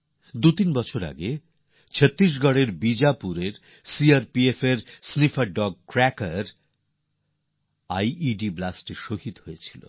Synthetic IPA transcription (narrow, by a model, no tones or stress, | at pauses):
d̪ut̪inbɔt͡ɕʰoɾa̰ɡe | t͡ɕʰet̪ːɾiʃ̬ɡʱɔɽeɾbid͡ʑapuɾeɾ | siaɾpiefeɾsnifaɖɔɡ̚kɾɛkaɾ | ajiɖiblasʈeʃoɦit̪ɦojet͡ɕʰilo̰